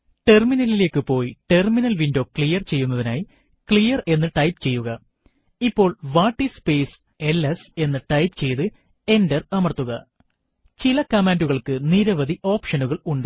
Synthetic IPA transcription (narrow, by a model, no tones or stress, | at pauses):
ʈe̞rminɐlile̞ːkːɨpo̞ːjiʈerminɐlʋindo̞ːkɭijɐrt͡ɕe̞jːunːɐðinaːji | kɭijɐre̞nːɨʈɐjpt͡ɕe̞jːuɣɐ | ipːo̞ːɭʋaːʈːispe̞ːs | e̞lese̞nːɨʈɐjpɨt͡ɕe̞jt̪ɨ | e̞ndɐrɐmɐrt̪ːuɣɐ | t͡ɕilɐkɐmaːnduɣɐɭkɨniɾɐʋɐd̪iʔo̞ːpʂɐnuɣɐɭuɳɖɨ